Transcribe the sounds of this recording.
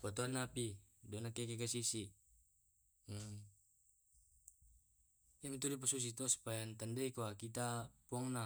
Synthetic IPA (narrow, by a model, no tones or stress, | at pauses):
pɔt̪ɔanːapidɔnakɛkɛkasisi | jamit̪̬udip̬asus̬it̪ɔsu̥pajant̪andɛikoakit̪apuɔŋna